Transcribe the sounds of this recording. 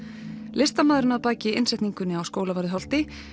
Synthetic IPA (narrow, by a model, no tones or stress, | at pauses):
lʔɪst̪amaːðɾɪnaðpaːcɪɪnsɛjht̪niŋkʏnːɪawskoːwlavaɾðɪɦɔl̥t̪ɪ